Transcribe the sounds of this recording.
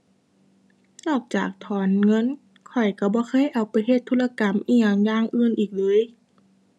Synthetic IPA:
nɔː˧˩k̚t͡ɕa̰ː˨˩k̚t̪ʰɔː˨˦nŋɤ˧˥˨n | kʰɔ˨˩jka˧˩bɔː˧˦kʰɤː˧˥˨jʔa˨˩wpa˨˦jɦe˧˩t̪ʰːuː˧˥˨la˧ka˨˦mʔiː˧˩ɲaː˨˧˩ŋjaː˧˥˨ŋʔɯː˧˥˨nʔiː˨˩k̚lɤː˧˦˨j

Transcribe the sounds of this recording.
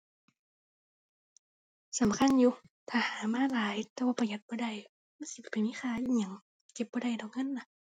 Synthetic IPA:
sa˨˦mkʰa˧˥˨njuː˧ | t̪ʰaː˧˩haː˨˦maː˧˥˨laː˨˦jt̪ɛː˧wa˧˩pʰa˧˨ja˨˧˦t̪̚bɔː˧˦da˧˩˨j | ma˧˥˨nsi˧˦˨pa˨jmiː˧˥˨xʰaː˧˨i˧˨ɲa˧˩˦ŋ˧˩ | ke˧˦p̚bɔː˧˦da˧˩jdɔ˨˩k̚ŋɤ˧˥˨nːa˧

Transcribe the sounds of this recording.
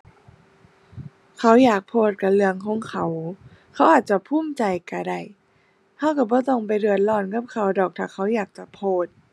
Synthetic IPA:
kʰa˧˦˥wjaː˨˩k̚pʰoː˧˩t̪̚ka˧˩lɯ˧əŋkʰɔː˧˦ŋkʰa˧˦w | kʰa˧˦˥wʔaː˨˩t̪̚t͡ɕa˧˩pʰuː˧˥˨mt͡ɕa˧˩jka˧˩da˧˩j | ha˧˥˩wka˧˩bɔː˧˦t̪o˧˩ŋp̬a˧˨jɾɯ˧˩ət̪̚lɔː˧˩nka˧˥p̚kʰa˧˩wdɔː˨˩k̚t̪ʰaː˧˨˩kʰa˧˦˥wjaː˨˩k̚t͡ɕa˧˩pʰoː˧˩t̪̚

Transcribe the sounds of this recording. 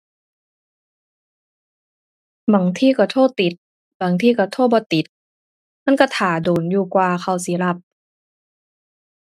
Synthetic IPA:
ba˨˦ŋt̪ʰiː˧˩ka˧˩t̪ʰoː˧˥˩t̪i˨˦t̪̚ | ba˨˦ŋt̪ʰiː˧˩ka˧˩t̪ʰoː˧˥˩bɔː˧˦t̪i˨˦t̪̚ | ma˧˥˨nkɔ˧˩t̪ʰaː˨˩doː˨˩njuː˧˩kwaː˧xʰa˧˩wsiː˨˦la˧˩p̚

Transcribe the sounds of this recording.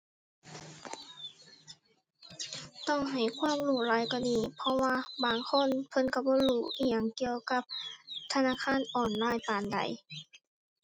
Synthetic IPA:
t̪ɔ˧˥˩ŋɦa˨˩jkʰwaː˧˥˨mluː˧˩laː˨˧˥jkɔː˧˩˨niː˧˩pʰɔ˧waː˧˨baː˨˩ŋkʰo˧˥˨npʰɤ˧˥˨nka˧˩bɔː˧˦˨luː˧˩ʔiː˧˩ɲa˧˩˨ŋki˧əwka˧˦p̚t̪ʰa˧naː˧˥˨kʰaː˧˥˨nʔɔː˨˩nlaː˧˥˨jpaː˨nda̰˨j

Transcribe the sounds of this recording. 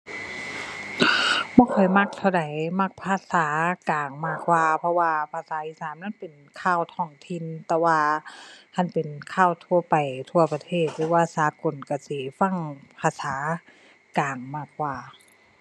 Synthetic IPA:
bɔː˧˦kʰɔ˨˩jma˧˥k̚t̪ʰa˧˩wda˨˩jma˧˥˩k̚pʰaː˧˥saː˨˦kaː˨˩ŋmaː˧˩kwaː˧pʰɔ˧waː˧pʰaː˧˩saː˨˦ʔi˧˨saː˨˦mnaː˧˥˨npe˨˩n | kʰaː˧˩˨wt̪ʰɔː˧˩ŋt̪ʰi˧˨nt̪ɛː˧waː˧kʰa˧˥˨npe˨˩nkʰaː˧˩wt̪ʰu˧ɐpa˨˩jt̪ʰu˧ɐpa˧t̪ʰeː˧˩t̪̚lɯː˨˦waː˧˩saː˨˦ko˨˩nka˧˩si˧˦fa˧˥˨ŋpʰaː˧saː˨˦ | kaː˨˩ŋmaː˧˩k̚waː˧˩

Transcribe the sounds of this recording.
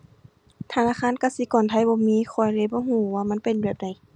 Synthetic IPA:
t̪ʰa˧˨naː˧˥˨kʰaː˧˥˨nka˧˩si˧˦kɔː˨nt̪ʰa˧˩jbɔː˧˦miː˧˥˨xʰɔ˧˩jleː˧˦bɔː˧˦ɦuː˧˩˨waː˧˨ma˧˥˨pe˨nbi˧˩p̚da˧˩j

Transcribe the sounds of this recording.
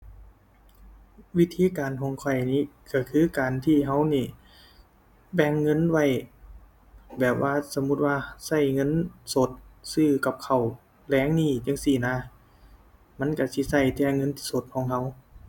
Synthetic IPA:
wi˦˧˥t̪ʰiː˧˥˨kaː˨nkʰɔː˨˦ŋkʰɔ˧˩jniː˧˥˨kʰa˧˩kʰɯː˧˥˨kaː˨nt̪ʰiː˧˩ɦa˧˥˩wniː˧˩ | bɛ˧˩ŋːɤ˧˥˨nwa˧˩j | bɛː˨˩p̚wʔaː˧˥˨sa˧˦mu˧˥t̪̚waː˧sa˧˩jŋɤ˧˥˨nso˧˩˦t̪̚sɯː˧˩ka˧˦p̚kʰa˨˩w | lɛː˧˥˨ŋniː˧˩˨t͡ɕa˧˥˨ŋsiː˧˩naː˧˥˨ | ma˧˥˨nka˧˩si˧˦sa˧˩jt͡ɕɛː˧˩ŋɤ˧˥˨nt̪ʰi̥˧˩so˧˦t̪̚kʰɔː˨˦ŋɦa˧˥w

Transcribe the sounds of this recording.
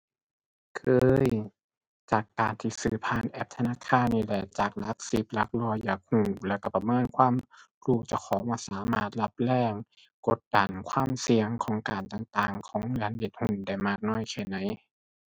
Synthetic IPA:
kʰɤː˧j | t͡ɕaː˨˩kːaː˨˩nt̪ʰiː˧˩sɯː˧˩pʰaː˧˩˨nʔɛ˧p̚t̪ʰa˧naː˧˥˨kʰaː˧˥˨nːiː˧˩lɛ˧˩t͡ɕaː˨˩k̚la˧˦˥k̚si˧˦p̚la˧˦˥k̚lu˧əjaː˨˩k̚huː˧˩lɛː˧˩wka˧˩pa˧˨mɤː˧˥˨nkʰwaː˧˥˨m | ɾuː˧˩t͡ɕa˧˩wkʰɔː˨˦maː˧˩˨saː˨˦maː˧˩t̪̚la˧˥p̚lɛː˧˩ŋ | ko˧˦t̪̚da˨˩nkʰwaː˧˥˨msi˧əŋkʰɔː˨˦ŋkaː˨˩nt̪a˧˩ŋt̪aː˧˩ŋkʰɔː˨˦ŋlɯ˨˦ənde˧˩t̪̚hu˧˩nda˧˩jmaː˧˩k̚nɔː˧˥˨jkʰɛː˧˩na˨˦j

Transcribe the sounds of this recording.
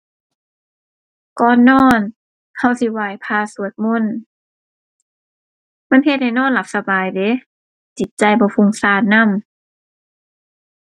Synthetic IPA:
kɔː˧˩nːɔː˧˥˩n | ha˧˩wsi˧˦waː˧˩jpʰaː˧su˨˦ət̪̚mo˧˥˨n | ma˧˥˨nhe˧t̪̚ha˧˩jnɔː˧˥˨nla˧˦p̚sa˧baː˨˩jde˨˦ | t͡ɕi˨˦t̪̚t͡ɕa˧jbɔː˧˦fu˧˩ŋsaː˧˩nna˧˥˨m

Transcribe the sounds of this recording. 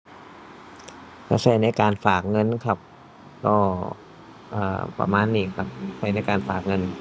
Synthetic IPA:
ka˧˩sʰa˧˩jna˧˩jkaː˧nfaː˨˩k̚ŋɤ˧˥˨nkʰa˧˩p̚ | kɔː˧˩ | ʔɤ̰ː˨˩pɾa̰˧maː˧˥nːiː˨˩kʰa˧˩p̚sʰa˧˩jna˧˥jkaː˧nfaː˨˩k̚ŋɤ˧n

